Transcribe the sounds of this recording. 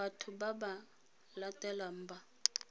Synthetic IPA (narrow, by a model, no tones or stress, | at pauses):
atʰubaba | latʼɛlam̩ba